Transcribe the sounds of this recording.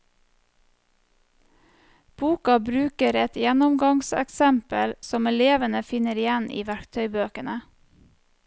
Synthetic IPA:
b̥uːkɑbɾʉːkəɾɛt̪jænʊmɡɑŋsɛ̰ksɛmpəlsɔmɛleːʋənəfɪnəɾɪjænḭːʋæɾkt̪ʰœʏbøːkənə

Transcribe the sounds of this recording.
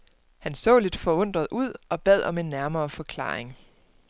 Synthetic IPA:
hænsɔ̰̽ːle̝d̥fɒ̽ɔ̽n̰d̥ʁɐð̞̩ˠʔuð̰ˠɒ̽b̥ɛð̰ˠɒ̽me̝nːæɐmɐːfɒ̽kʰlɑ̰̈ːeŋ

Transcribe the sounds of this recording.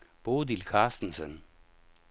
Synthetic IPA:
b̥oːd̪ilkʰɑːsd̥n̩sən

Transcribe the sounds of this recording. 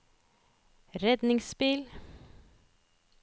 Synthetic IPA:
ɾɛd̪nɪŋspɪl

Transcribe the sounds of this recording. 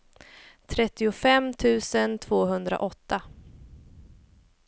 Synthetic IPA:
t̪ʰɾɛt̪ːɪʊfɛmːt̪ʰʉ̟ːsənt̪ʰv̥oːɦɵnd̪ɾa̰ʔɔt̪ːa

